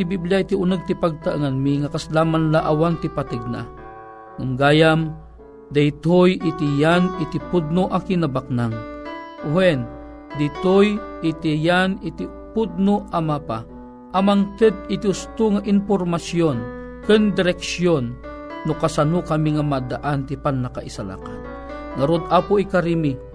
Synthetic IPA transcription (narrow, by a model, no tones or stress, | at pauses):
t̪ibibliajt̪iʊnəɡ̚t̪ipaɡ̚t̪aəŋanmiŋakaslaːmanlaʔawant̪ipat̪əɡ̚na̰ | ŋamɡaːjam | d̪ajt̪ojit̪ijanɪt̪ipʊd̪̚nʊʔakinabak̚naŋuwɛn | d̪it̪ojɪt̪ijanɪt̪i | pʊd̪̚noʔamapa̰ | ʔamaŋt̪ɨd̪̚ɪt̪iʊst̪ʊŋaʔinpormasjon | kɨnd̪ɪɾɛksjonː | ʊkasanukamiŋamad̪aʔant̪ipanːaka̰ʔisala̰ka | ŋaɾod̪ʔapoikaɾimi